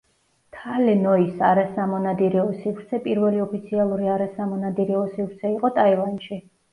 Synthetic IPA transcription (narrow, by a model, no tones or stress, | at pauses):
t̪ʰalɛnɔisaɾasamɔnad̪iɾɛɔsivɾt̪sʰɛpʼiɾvɛliɔpʰit̪sʰialˠuɾiaɾasamɔnad̪iɾɛɔsifɾt̪sʰɛiqʼɔt̪ʼaivanʃi